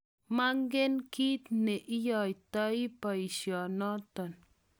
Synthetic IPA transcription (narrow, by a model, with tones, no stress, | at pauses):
ma˦ŋɡe˦nki˦t̪ne˨ʔi˦jo˨jt̪a˦jpa˨i˨ʃjo˨no˦t̪o˨n